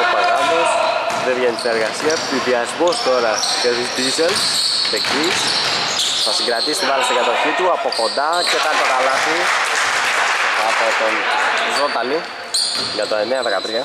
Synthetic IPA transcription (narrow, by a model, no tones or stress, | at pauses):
paɡamosðevʝeniseɾɣasiɐt̪iðiɐzmost̪oɾɐceid̪izeleci | θɐsiŋɡɾat̪ist̪ivalast̪iɡat̪oçit̪uapokond̪acetat̪okalasi | apot̪onzot̪ɐli | ʝɐt̪oemeɐðekat̪ɾiɐ